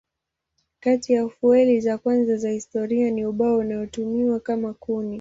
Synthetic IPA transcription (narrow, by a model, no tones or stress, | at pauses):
katijaufuɛlizakwanzazahistɔɾianiuɓaɔunajɔtumiwakamakuni